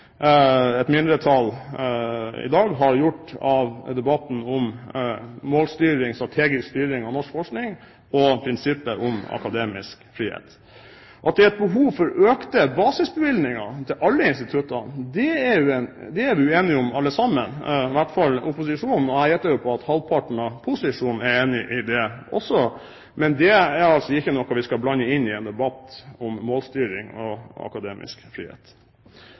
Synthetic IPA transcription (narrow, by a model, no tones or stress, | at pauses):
ɛt̪mɪnd̪ɾət̪ʰɑl | ɪ̰d̪ɑːɡɦɑɾjʊʈːɑʋd̪ɛbɑt̪n̩ʊm | moːlst̪yːɾɪŋsɑt̪ʰeːɡəst̪yːɾɪŋɑʋnɔʂkfɔʂknɪŋ | ɔpʰɾɪnsɪpːəʔʊmɑ̰kɑd̪eːmɪ̰skfɾiːhḛːt̪ | ʔɑt̪d̪ɛæɾɛt̪̚bəɦuːʋfɔɾøːkt̪əbɑːsɪsbəʋɪld̪nɪŋɑt̪ʰɪlʔɑlːəɪnst̪ɪt̪ʰʉt̪ːɑd̪ɛɛɾjʊɛnd̪ɛæɾʋɪʉeːnɪʊmɑlːəsɑmːənʋæʈːfɑlːʊpʊsɪʂuːnn̩ɔæjɛt̪ːəɾjʊpʰɔɑt̪hɑlpʰɑʈɳ̩ɑpʰʊsɪʂuːn̩ɛɾeːnɪʔɪd̪ɛʔɔ̰sːɔ | mɛnd̪ɛæɾɑlsɔɪçːənɔkːɔʋɪskɑblɑnːəɪnːɪɛːnd̪ɛbɑt̪ːʊmːoːlst̪yːɾɪŋɔɑ̰kɑd̪eːmʔɪ̰skfɾḭːhḛːt̪